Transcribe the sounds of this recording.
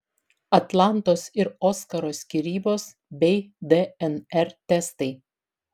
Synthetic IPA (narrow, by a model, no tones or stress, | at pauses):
ɐt̪lˠɑˑnt̪oːsɪɾoːskɐɾoːsʲkʲɪɾʲiːboːs | bʲɛɪd̪ɛɛnɛɾt̪ʲɛst̪ɐɪ